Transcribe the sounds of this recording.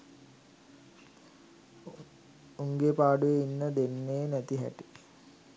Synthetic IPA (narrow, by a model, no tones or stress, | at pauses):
uŋɡepaːɖuʋeinːəd̪enːeːnæt̪iɦæ̰ʈi